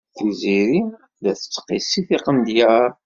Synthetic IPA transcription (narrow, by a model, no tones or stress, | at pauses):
θiziɾi | ðæθə̥t͡sːə̥qːisːiθiqəmd̪jəʁa